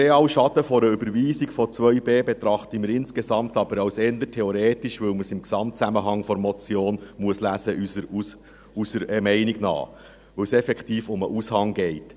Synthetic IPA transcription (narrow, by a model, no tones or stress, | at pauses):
ɾeɑːlʃɑtəfɔɾəybəɾʋiːsiɡfɔt͡sʋœʏbeːbet̪ɾɑχt̪əməɾɪnskesɑmt̪ɑb̥əɾɑʊsɛnd̪ətʰɛɔɾeːtɪʃʋɵwməsɪmksɑmtt͡sæməɦɑŋfɔɾmɔt͡sjoːnmuəslæsə | usəɾɛmɛɪniɡ̥nɑ̰ː | ʋɵwsɛfɛktiːfʊməʔushɑŋɡɛɪt